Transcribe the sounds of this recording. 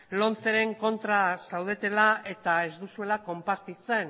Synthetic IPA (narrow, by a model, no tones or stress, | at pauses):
lo̞nt͡se̞ɾe̞ŋko̞nt̪ɾasawð̞e̞t̪e̞lae̞t̪ae̞zd̪usue̞lako̞mpaɾt̪it͡se̞n